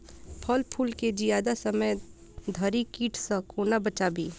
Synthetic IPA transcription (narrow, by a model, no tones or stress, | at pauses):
pʰəlpʰuːlked͡ʒijaːd̪asəməj | d̪ʱəɾikiːʈʰsə̃koːnabət͡ʃaːbʱi